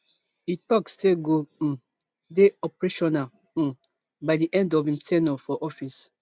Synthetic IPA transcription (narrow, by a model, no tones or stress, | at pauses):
itɔksteɡo | deɔpɹeʃɔna | baɪdiʔɛ̃ndɔvĩmtʰɛnɔfɔʔɔfis